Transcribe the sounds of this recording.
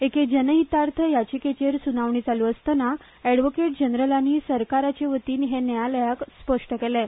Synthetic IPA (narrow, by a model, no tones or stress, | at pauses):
eked͡ʑənəɦit̪aɾt̪ʰəjat͡ɕiket͡ɕeɾsunaʋɳiːd͡zaluəst̪əna | ɛɽʋokeʈ̚d͡ʑənɾəlaniːsəɾkaɾat͡ɕeʋət̪iːnɦenjaləjakspəʂʈəkele